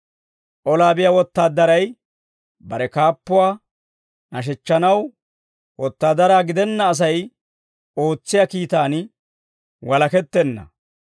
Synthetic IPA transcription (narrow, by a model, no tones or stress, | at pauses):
ʔɔlaːbɪjawɔt̪ːaːd̪ːɐɾɐj | bɐɾɛkaːpːʊwaː | nɐʃ̬ɛt͡ʃːɐnɐw | wɔt̪ːaːd̪ɐɾaːɡɪd̪ɛnːɐːs̬ɐj | o̞ːt͡sːɪjaːkiːt̪aːn | wɐlɐkɛt̪ːɛnːɐ̰